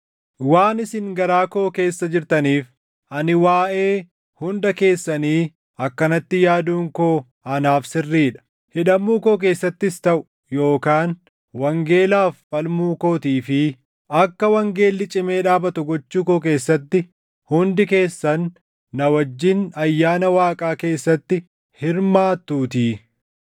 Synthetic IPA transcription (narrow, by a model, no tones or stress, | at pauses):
waːnɪsɪŋɡɐɾaːko̞ːke̞ːsːɐd͡ʒɪɾt̪ɐniːf | ʔɐnɪwaːʔe̞ː | hʊnd̪ɐke̞ːsːɐniː | ɐkːɐnɐt̪ːɪjaːd̪uːŋkoː | ɐnaːfsɪrːiːᶑɐ̥ | hɪᶑɐmːuːko̞ːk̬e̞ːsːɐt̪ːɪst̪ɐʔʊ̥ | jo̞ːkaːn | wɐŋɡe̞ːlaːfːɐlmuːko̞ːt̪iːfɪ | ɐkːɐwɐŋɡe̞ːlːɪt͡ʃʼɪme̞ːᶑaːbɐt̪ʊɡɔt͡ʃːuːkoːk̬e̞ːsːɐt̪ːɪ | hʊnd̪ɪke̞ːsːɐnː | ɐwɐd͡ʒːɪnɐjːaːnɐwaːkʼaːke̞ːsːɐt̪ːɪ | hɪɾmaːt̪ːuːt̪iː